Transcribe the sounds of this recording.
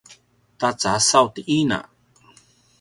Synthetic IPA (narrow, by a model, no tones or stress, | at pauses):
tat͡sasawtiʔina̰